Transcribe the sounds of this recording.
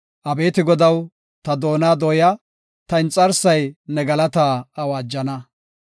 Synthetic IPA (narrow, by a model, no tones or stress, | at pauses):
ʔɐbe̞ːt̪ɪɡɔd̪ɐw | t̪ɐd̪o̞ːnaːd̪ɔːja | t̪ɐɪnt͡sʼɐɾsɐjnɛɡɐlɐt̪aːɐwaːd͡ʒːɐnɐ